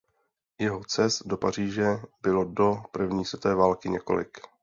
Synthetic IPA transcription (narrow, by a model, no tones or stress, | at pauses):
jɛɦo̞t͡sɛst̪̚do̞par̝iːʒɛbɪlo̞do̞pr̩vɲiːsvɛt̪ɛːvaːlkɪɲɛko̞̰lɪ̰k